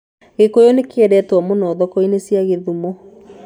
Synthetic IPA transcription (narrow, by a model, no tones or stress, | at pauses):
ɣekojonekeɛɾɛtwɔmonɔðɔkɔinesjaɣeðumɔ